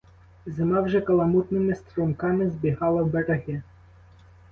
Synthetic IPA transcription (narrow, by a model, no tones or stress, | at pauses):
zɪmawʒɛkɐlˠɐmut̪nɪmɪst̪ɾumkamɪzbʲiɦɑlˠɐwbɛɾɐɣɛ